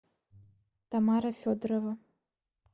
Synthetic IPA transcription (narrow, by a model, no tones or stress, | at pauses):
t̪amaɾɐfʲod̪ɾovɐ